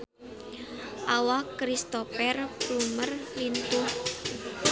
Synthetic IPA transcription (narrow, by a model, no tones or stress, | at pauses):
ʔawakɾist̪ofɛrplumərlint̪ʊh